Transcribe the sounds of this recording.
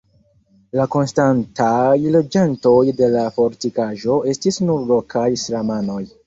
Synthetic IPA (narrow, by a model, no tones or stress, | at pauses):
lako̞nstantajle̞d͡ʒento̞jde̞lafo̞ɾtikaʒo̞e̞stisnuɾlokʰajsɾamano̞j